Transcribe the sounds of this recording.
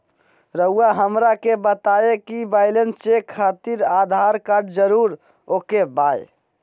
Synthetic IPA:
ɾəɦuaɦəmɾakebət̪aekibaɪlensekʰːat̪iɾad̪ʱaɾkaɾɖd͡ʒəɾuɾ | okebaj

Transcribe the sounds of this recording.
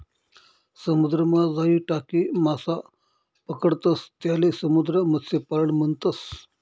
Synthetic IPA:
səmud̪ɾəmad͡zaiʈakiːmasa | pəkəɽt̪əst̪jalesəmud̪ɾəmət̪sepaɾəɳməɳt̪əs

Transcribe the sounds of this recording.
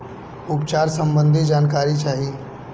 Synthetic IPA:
ʊpt͡ʃaːɾsə̃mbə̃nd̪ʱid͡ʒaːnkaːɾit͡ʃaːɦi

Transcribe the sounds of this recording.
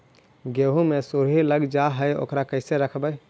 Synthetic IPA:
ɡeɦũmesuɾɦiləɡd͡ʒaɦəjo̰ːkɾakəɪseɾəkʰbəj

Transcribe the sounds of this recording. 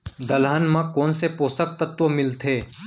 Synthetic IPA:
d̪ɐlanmãkoːnsepoːsək̚t̪ɐt̪ʋəmɪlt̪ʰeː

